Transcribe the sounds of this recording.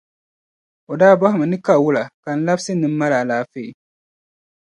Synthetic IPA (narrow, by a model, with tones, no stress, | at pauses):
o˨daː˦bɔ˦hɪ˨ma˨nɨ˦ka˦˨wʊ˦la˨ka˨n̩˦la˦bsɨ˦nɨ˦m̩˦ma˦la˨laː˨fe˦˨i˨